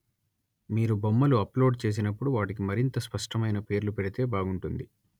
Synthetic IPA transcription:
miːɾubomːɐluɐplo̞ːɖt͡ʃe̞ːs̬inɐpːuɽuʋaːʈik̬imɐɾint̪ɐspɐʂʈɐmɐjnɐpe̞ːɾlupɛɽit̪e̞ːbaːɡuɳʈund̪i

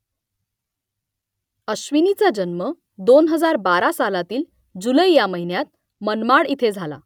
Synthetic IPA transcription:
əɕʋinit͡sad͡ʑənmə | d̪onɦəd͡zaɾbaɾasalat̪iːl | d͡ʑuləjjaməɦinjat̪̚ | mənmaɽit̪ʰed͡zʱala̰

